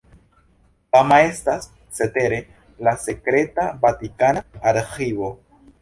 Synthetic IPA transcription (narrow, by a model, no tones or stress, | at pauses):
amae̞stasː | e̞te̞ɾe̞ | lase̞kɾe̞tavatikanaːɾxivo̞